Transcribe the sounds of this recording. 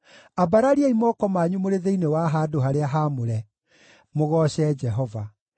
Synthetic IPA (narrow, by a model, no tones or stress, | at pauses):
abaɾaɾiaimɔkɔmaɲumoɾeðeinewaɦaːdoɦaɾeaɦamoɾɛ | moɣɔːɕɛd͡ʒɛɦɔva